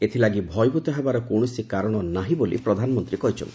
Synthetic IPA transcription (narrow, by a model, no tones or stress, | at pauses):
et̪ʰilaɡibʱɔjɡut̪ɔɦebaɾɔkowɳ̃ɔsikaɾɔɽ̃ɔnaɦibolḭpɾɔd̪ʱanɔmɔnt̪ɾikɔɦit͡ʃʰɔ̰nt̪i̥